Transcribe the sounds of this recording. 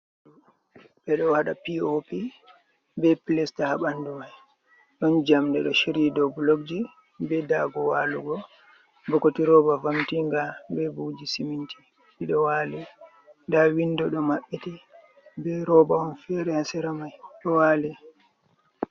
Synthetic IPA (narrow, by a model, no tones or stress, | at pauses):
bɛɗɔwaɗapiopi | bɛpilɛstahaɓandumaj | ɗɔnd͡ʒamdɛɗɔʃiɾidɔbulokd͡ʒi | bɛdaɡɔwaːluɡɔ | bɔkotiɾɔbavamtiŋɡabɛbud͡ʒisiminti | ɗiɗɔwalɛ | ndawindɔɗɔmaɓːiti | bɛɾɔbaɔnfɛɾɛhasɛɾamajɗɔwaːlɛ